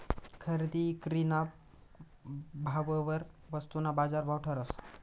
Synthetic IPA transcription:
kʰəɾd̪ikɾinap | bʱaʋəʋəɾʋəst̪unabad͡zaɾbʱawʈʰəɾəs

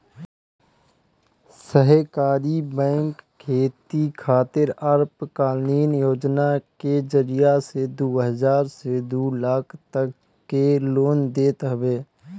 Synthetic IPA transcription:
səɦəkaːɾibɛ̃ːŋkkʰːeːt̪ikʰaːt̪ɪɾaɾpkaːlniːnjoːd͡ʒnaked͡ʒəɾijased̪uːɦəzaːɾsed̪uːlaːkʰt̪əkː | eloːnd̪eːt̪ɦəbeː

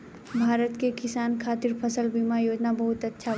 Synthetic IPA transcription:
bʱaːɾət̪kekɪsaːnkʰaːt̪ɪɾpʰəsəlbimajoːd͡ʒnabɐɦʊt̪ɐtːʃʰa

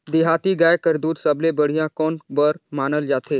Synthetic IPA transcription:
d̪ɪɦaːt̪iɡaːekəɾd̪uːɾsɐblebɐɽ̤ijãkɔːnbəɾmaːnəld͡ʒaːt̪eː

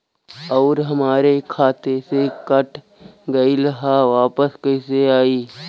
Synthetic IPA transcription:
ɔːɾɦɐmaːɾekʰaːt̪esekɐʈʰ | ɡɐilɐɦaʋaːpəskɐɪseaːiː

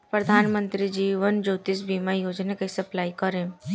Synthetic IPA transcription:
pɾəd̪ʱaːnmə̃nt̪ɾid͡ʒiːʋənd͡ʒoːt̪isbiːmajoːd͡ʒnekisɐplaːikɐɾẽ

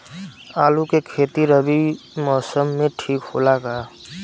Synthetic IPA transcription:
aːlukekʰeːt̪iɾəbimɔːsəmːẽʈʰiːkɦolaɡaː

